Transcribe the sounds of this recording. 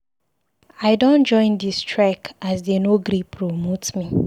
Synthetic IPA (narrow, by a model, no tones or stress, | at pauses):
aɪdõnd͡ʒɔ̃ɪ̃ndistɹɛkas̬denoɡɾipʰɾomotmi